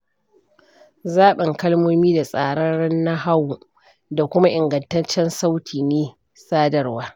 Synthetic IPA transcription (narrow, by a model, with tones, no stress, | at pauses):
zaː˦ɓɪ˨ŋkɐ˦lmoː˦miː˦da˨sʼaː˨ɽɐ˦nɽɐ˦nːa˦ɦa˦w | da˨kʷʊ˦ma˦ʔɪ˨ŋɡɐ˨ntɐ˦nt͡ʃːɛ˦nsa˦wtʰiː˨neː˦ | saː˦dɐ˨rwaː˦